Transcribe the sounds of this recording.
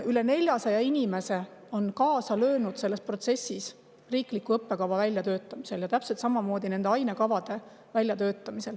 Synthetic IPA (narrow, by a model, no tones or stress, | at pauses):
yle̞ne̞lʲjɑsɑjɑinʲime̞se̞ | o̞nkɑːsɑlø̞ːnud̪̥se̞lːesprot̪se̞sis | riːklikːuɤpːe̞kɑvɑvælʲjɑt̪ø̞ːt̪ˑːɑmise̞ljɑt̪æpselt̪sɑmɑmo̞ːd̪̥ine̞nd̪e̞ɑjnekɑvɑd̪̥e̞ | vælʲjɑt̪ø̞ːt̪ːˑɑmise̞l